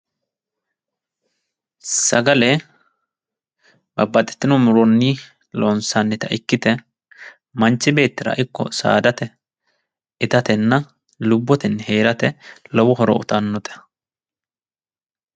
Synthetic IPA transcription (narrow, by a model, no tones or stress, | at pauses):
sɐɡɐlɛ | bɐbːɐt̪ʼɛ̥t̪ːɪnɔmʊɾɔnːi | loːnsanːɛt̪ɐʔɪkːɪt̪ɛ | mɐnt͡ʃːɪbe̞ːt̪ːɪɾɐ̰ʔɪkːɔ̰sa̰ːd̪ɐt̪ɛ | ɪt̪ɐt̪ɛnːɐ | lʊbːɔt̪ɛnːɛhe̞ːɾɐt̪ɛlɔwʊhɔɾɔ̰ʊ̰t̪anːɔt̪ɛ̥